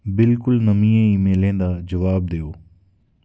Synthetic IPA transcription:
bɪlkʊlnɐmĩːẽimẽːlẽːnd̪ad͡ʒɐʋaːb̚d̪eːoː

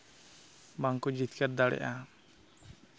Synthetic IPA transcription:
maŋkud͡ʒit̪kad̪alɛ̰ʔa

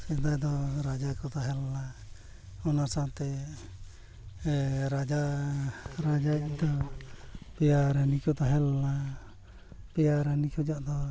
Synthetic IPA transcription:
sɛd̪ajd̪ɔɾad͡ʒakɔt̪aɦɛlːa | ɔnasant̪ɛ | ɾad͡ʒa | ɾad͡ʒad̪ɔ | pɛjaɾanikɔt̪aɦɛlna | pɛjaɾanikʰud͡ʒaʔd̪ɔ

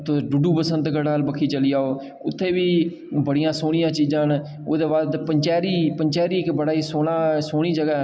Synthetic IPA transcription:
t̪oɖuɖuːpəsə̃nd̪ɡəɖaːlbəkʰiːt͡ʃəliːaːoː | ʊt̪ʰːeːʋiː | bəɽijãːsoːɽ̃ɪjãːt͡ʃiːd͡ʒãːn | oːd̪eːbaːd̪pəɲt͡ʃɛːɾiːpəɲt͡ʃɛːɾiːɪkbəɽaːiːsoːnaːsoːɽ̃iːd͡ʒəɡaː

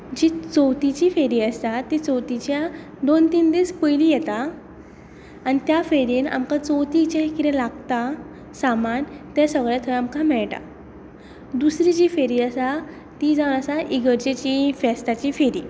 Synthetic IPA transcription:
d͡ʑit͡sowt̪it͡ɕiːfeɾiəst̪at̪ːit͡sɔwt̪it͡ɕja | d̪ont̪iːnd̪espəjlijɛt̪a | ñit̪jafeɾina̰mkãt͡sowt̪it͡ɕãkiɾɛ̃laɡt̪a | samant̪ɛsəɡɭjat̪ʰəɾamkamɛɭʈa̰ | d̪usɾid͡ʑiːfeɾiːəsa | t̪id͡zaʋnəsaʔiɡəɾd͡ʑet͡ɕifɛst̪at͡ɕiːfeɾiː

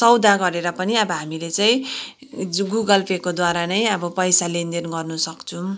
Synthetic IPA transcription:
t͡sʌwd̪ʱaɡʌɾeɾʌpʌniʌbʌɦamilet͡saj̃ | uɡuɡʌlpekod̪waɾanʌjʌbʌpʌjsalend̪enɡʌrnusʌkt͡sʰũ

